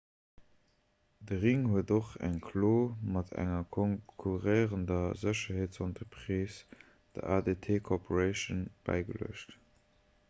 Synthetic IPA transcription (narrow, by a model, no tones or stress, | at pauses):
dəʁiŋhuədoχæ̰ŋkʰloːmɑtʰæ̰ŋɐkʰɔŋkʰuʁeɪʁəndɐzəɕɐɦeːtsɑntʰəpʁiːs | d̥ə̰ʔaːdetʰeːkʰopʰoʁəɪʃənb̥æ̰ɪɡələ̰əʃt